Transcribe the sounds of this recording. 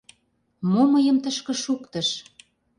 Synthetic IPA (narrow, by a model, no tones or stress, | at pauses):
moməjə̆mt̪əʃkə̆ʃukt̪ə̆ʃ